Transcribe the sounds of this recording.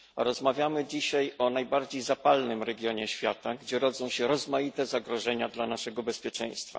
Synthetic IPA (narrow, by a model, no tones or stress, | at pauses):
ɾɔzmavʲjamɘd͡ʑiɕajɔnajbaɾd͡ʑejzapalnɘmɾɛɡʲjɔɲɛɕfʲjat̪aɡd͡ʑɛɾɔd̪zɔ̃w̃ɕɛɾɔzmajit̪ɛzaɡɾɔʐɛɲad̪lanaʂɛɡɔbɛspʲjɛt͡ʂɛ̰j̃st̪fa̰